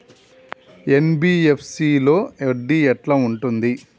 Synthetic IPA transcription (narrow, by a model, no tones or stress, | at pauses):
e̞nbiːepʰsilo̞ːeɖiːɛʈlaːuɳʈund̪i